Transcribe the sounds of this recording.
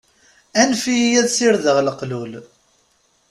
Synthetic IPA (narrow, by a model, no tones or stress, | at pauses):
ænfijæðsɪɾðəʁlqlul